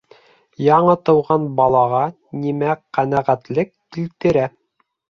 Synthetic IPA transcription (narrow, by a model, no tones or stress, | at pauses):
jɑɴɤt̪ɤ̆wʁɑnbɑlˠɑʁɑ | nimæqænæʁæt̪lɘkːilt̪ɘ̆ɾæ